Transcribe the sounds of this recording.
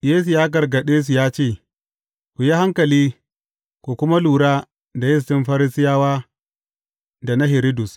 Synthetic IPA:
jeː˦s̬u˨jaː˦ɡɐ˨rɡɐ˨ɗeː˦s̬u˨jaː˦t͡ʃeː˦˨ | kʷu˨ji˦ha˦ŋkɐ˨liː˦ | kʷu˨kʷʊ˦ma˦luː˨ɽaː˦ | da˨jɪ˦s̬tɪ˦mɸɐ˦ɾɪ˦sɪ˦jaː˦waː˦ | da˨na˦ɦɪ˨ɾɪ˦dʊ˨s

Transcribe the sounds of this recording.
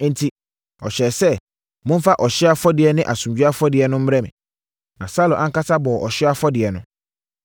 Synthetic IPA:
n̩˨tʰi˦ | ɔ̰˨ɕɛ˨sɛ˦ | mʊ̃˦n̩˦fa˦ʔɔ˨ɕɪ˦a˦fɔ˦dɪ˨ɛ˨nɪ̃˦ʔa˨sũ˨md͡ʑᶣu˦a˦fɔ˦dɪ˨ɛ˨nʊ̃˦m̩˦m˦ɛ˦mɪ̃˨ | nã˨sa˦lʊ̃˨ʔã˦ŋ̩˦ka˦sa˦bɔ˨ʔɔ˨ɕɪ˦a˦fɔ˦dɪ˨ɛ˨nʊ̃˦

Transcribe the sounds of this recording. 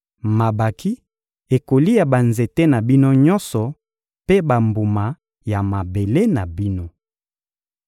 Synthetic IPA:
ma˨ba˨kʰi˦ | e˨ko˨li˦ja˨ba˨nze˨te˦na˨bi˦no˦ɲɔ˦nsɔ˨ | pe˦ba˨mbu˨ma˨ | ja˨ma˨be˨le˦na˨bi˦no˦

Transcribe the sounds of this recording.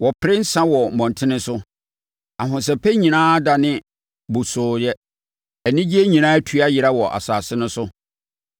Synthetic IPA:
wɔ˨pʰɪ˦ɾɪ˦n̩˦sã˦wɔ˨m̩˨mɔ̃˨n˨tʰɪ̃˦nɪ̃˦sʊ˦ | a˨ɦʊ̃˨s̬ɛ˨pʰe˦ɲĩ˨nãː˦da˨nɪ̃˦ | bʊ˨sʊː˨ɾɪ˦ɛ˦ | ɛ˨nɪ̃˦d͡ʑi˦e˦ɲĩ˨ñãː˦æ˦tʰu˨˦a˦jɪ˨ɾa˦wɔ˨ʔa̰˨saː˨sɪ˦nʊ̃˦sʊ˦

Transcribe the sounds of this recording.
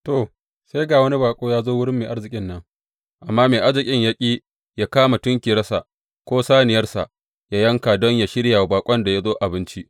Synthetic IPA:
to˨ | se˦jɡaː˨wɐ˦ni˦baː˨kʷʼoː˦jaː˦zoː˦wʊ˦ɽɪ˦mːeː˨ʔa˦ɽzɪ˨kʲʼɪ˦nːɐ˦ŋ | ʔa˨mːaː˦meː˨ʔa˦ɾzɪ˨kʲʼɪ˦ɲjɐ˦kʲʼiː˦ | jaː˦kaː˦ma˨tʊ˦ŋkʲiː˨ɾɐ˦sa˨ʔ | kʷoː˦saː˦nɪ˨jɐ˦rsa̰˨ʔ | ja˦jɐ˦ŋkaː˨dɔ˦ɲja˨ʃɪ˦ɽja˨baː˨kʷʼɐ˦nda˨ja˦zoː˦ʔa˨bɪ˦nt͡ʃi˦ʔ

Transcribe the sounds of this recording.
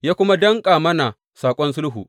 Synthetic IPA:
jaː˦kʷʊ˦ma˦dɐ˦ŋkʼaː˨mɐ˦na˨ | saː˨kʷʼɔ˦nsʊ˦lɦuː˨ʔ

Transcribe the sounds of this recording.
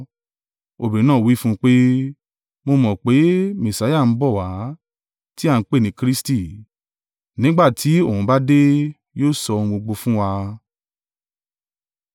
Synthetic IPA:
o˨bi˨ĩ˨˦nãː˦˨wi˦fũ˦˧k͡pe˦ | mo˧mɔ̃˨k͡pe˨˦mẽ˨sa˨˦ja˦˨n̩˨˦bɔ˦˨wa˨˦ | ti˦a˦˧n̩˧k͡pe˦˨nĩ˨˦kɾi˦sti˦˨ | nĩ˦ɡ͡ba˦˨tʰi˨˦o˦˨hũ˨˦ba˦de˦ | joː˦sɔ̃˧ɡ͡bo˧ɡ͡bo˧fũ˦wa˧

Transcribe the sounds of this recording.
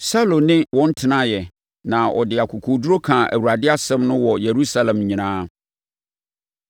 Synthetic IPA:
sa˦lõ˨nɪ̃˦wɔ̃˦n̩˦tʰɪ˦nã˦jɛ˨ | nã˨ʔɔ̰˨dɪ˨a˨kʰu˨kʰu˨du˦ɾo˦kʰã˨ʔæ̰˨wu˨ɾa˨dɪ˦a˦sɛ̃˦mnʊ̃˦wɔ˨je˨ɾu˦sa˦lɛ̃˨mɲĩ˨nãː˦

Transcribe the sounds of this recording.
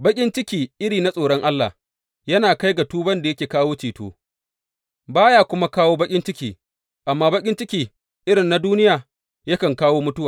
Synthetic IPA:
bɐ˦kʲʼɪ˦nt͡ʃɪ˦kʲiː˨ʔɪ˦ɽiː˨na˦sʼoː˨ɽɔ˦ŋʔa˦lːa̰˨ | jɐ˦naː˨ka˦jɡa˨tuː˦bɐ˦nda˨jɐ˦kʲeː˨kaː˦woː˦t͡ʃiː˨to̰ː˦ | baː˦jaː˦kʷʊ˦ma˦kaː˦woː˦bɐ˦kʲʼɪ˦nt͡ʃɪ˦kʲiː˨ | ʔa˨mːaː˦bɐ˦kʲʼɪ˦nt͡ʃɪ˦kʲiː˨ | ʔɪ˦ɽɪ˨nːa˦duː˦nɪ˦jaː˨ | jɐ˦kɐ˨ŋkaː˦woː˦mʊ˦tʊ˦waː˨

